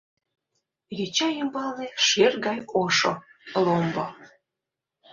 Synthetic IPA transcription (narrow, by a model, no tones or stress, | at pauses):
ɣet͡ɕɑjəmbɑleʃerɣɑjoʃo̰lombo